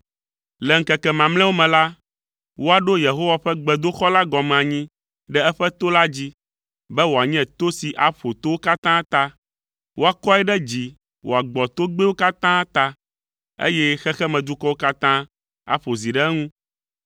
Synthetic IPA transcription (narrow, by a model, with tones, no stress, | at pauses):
lɛ˨ŋ̩˨kɛ˨kɛ˨mã˨mlɛ̃˦wo˦mɛ̃˨la˦ | wo˦a˨ɖo˦je˨ɦo˦wa˨ɸɛ˦ɡ͡bɛ˨d̪o˦xɔ˦la˦ɡɔ˨mɛ̃˨a˨ɲĩ˦ | ɖɛ˦ɛ˦ɸɛ˦t̪o˦la˦d͡ʑi˦ | bɛ˦wo˨a˨ɲ˦ɛ̃˨t̪o˦si˨ʔa˨ɸo˨t̪o˦wo˦ka˦t̪ã˦t̪a˦ | wo˦a˨kɔ˦ɛ˦ɖɛ˦d͡ʑi˨ | wʔo̰˨a˨ɡ͡bɔ˨t̪o˦ɡ͡be˦wo˦ka˦t̪ã˦t̪a˦ | ḛ˦jɛ˦xɛ˦xɛ˦mɛ̃˨d̪u˦kɔ˦wo˦ka˦t̪ã˦ | a̰˨ɸo˨zi˨ɖɛ˦ŋũ˦